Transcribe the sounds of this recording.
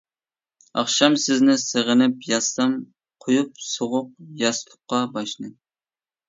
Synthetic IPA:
ɑχʃɑmsɪznɪseʁənɪpjɑst̪ɑm | qʰojup̚soʁʊq̚jɑst̪ʰʊ̥qːɑbɑʃnɨ

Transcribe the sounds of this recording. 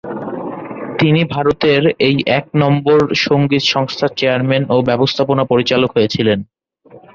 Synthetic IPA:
t̪inibʱaɾot̪eɾejʔɛk̚nɔmboɾʃoŋɡit̪ʃɔŋst̪ʰat͡ɕeaɾmenobɛbost̪ʰaponapoɾit͡ɕalokɦojet͡ɕʰilen

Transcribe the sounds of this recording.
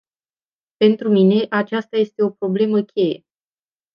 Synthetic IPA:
pe̞nt̪ɾumine̞ʔat͡ʃast̪aje̞st̪e̞o̞pɾo̞ble̞məkʲe̞je̞

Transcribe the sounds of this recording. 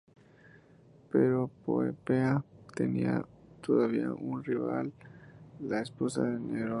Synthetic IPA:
peɾopoepeat̪eniat̪ʰoðaβiaʔunriβalː | aesposaðeneɾo

